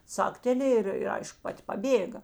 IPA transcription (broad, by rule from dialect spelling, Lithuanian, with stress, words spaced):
ˈt͡sɑːktʲɛˈlʲeːj ɪr ɪr ˈɐɪʃkʊ ˈpɐtʲ pɐˈbʲeːɡɐ